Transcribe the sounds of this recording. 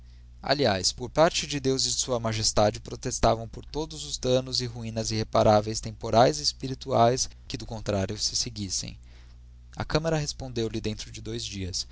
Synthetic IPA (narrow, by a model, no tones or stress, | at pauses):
a̰liajspoɾpaɾt͡ʃɪd͡ʒɪd̪ewzɪsuɐmaʒest̪ad͡ʒɪpɾot̪est̪avɐ̃w̃poɾt̪od̪ʊzʊzd̪ɐ̃nʊzɪɦuĩnɐzɪhepaɾavejst̪ẽmpoɾajzispiɾit̪uajskɪd̪ʊkõnt̪ɾaɾjʊsɪseɡisḛ̃j̃ | ɐ̰kɐ̃mɐɾɐɦespõnd̪ewlɪd̪ẽnt̪ɾʊd͡ʒɪd̪ojzd͡ʒiɐs